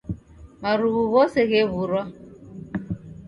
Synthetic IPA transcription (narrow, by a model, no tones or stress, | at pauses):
maɾuɣuɣɔsɛɣeβuɾwa